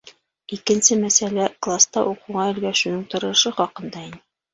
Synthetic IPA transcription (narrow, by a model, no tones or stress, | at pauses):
ikɘ̆nsɘmæsælæklˠast̪ɑʔuqŭʁɑɘ̆lɡæʃunɤɴt̪ŏɾɤ̆ʃɤχɒqɤ̆nd̪ɑin